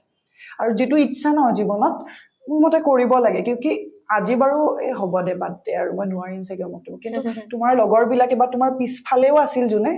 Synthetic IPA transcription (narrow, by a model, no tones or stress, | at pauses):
aɹuzituitːʃʰanɔɦɔzibɔnɔt | mʊmɔtɛkoɹibɔlaɡɛkĩkiazibaɹuɛɦobɔdɛbatdɛa̰ɹumɔjnuaɹinsakɔmɔtimɔkintutʊmaɹlɔɡɔɹbilakebatumaɹpispʰalɛʊasilzunɛ